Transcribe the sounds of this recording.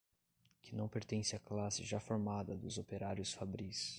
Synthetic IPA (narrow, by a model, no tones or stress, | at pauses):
kɪnɐ̃w̃peɾt̪ẽsɪaklasɪʒafoɾmad̪ɐd̪ʊzopeɾaɾjʊsfabɾis